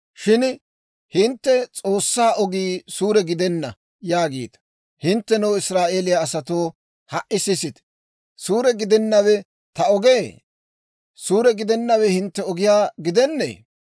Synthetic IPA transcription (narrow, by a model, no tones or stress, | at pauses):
ʃɪn | hɪnt̪ːɛt͡sʼo̞ːsːaːʔɔɡiːsuːɾɛɡɪd̪ɛnːɐ | jaːɡḭːt̪ɐ̥ | hɪnt̪ːɛnɛwɪsɾaːʔe̞ːlɪjaːsɐt̪o̞ː | hɐʔɪsɪsɪt̪ | suːɾɛɡɪd̪ɛnːɐwɛ | t̪ɐɔɡeː | suːɾɛɡɪd̪ɛnːɐwɛhɪnt̪ːɛɔɡɪjaːɡɪd̪ɛnːḛː